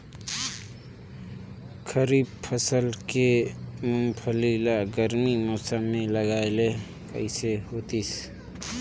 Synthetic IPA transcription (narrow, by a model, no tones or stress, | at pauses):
kʰəɾib̚pʰəsəlkemʊmpʰəlilaɡəɾmimɔsəmːeləɡaːele | kəɪsehot̪is